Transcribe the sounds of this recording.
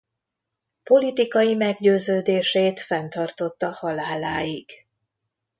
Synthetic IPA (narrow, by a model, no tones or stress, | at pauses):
po̞lit̪ikɒjimɛɡɟøːzøːd̪eːʃeːt̪fɛnt̪ɒrt̪o̞t̪ːɒhɒlaːlaːjiɡ̥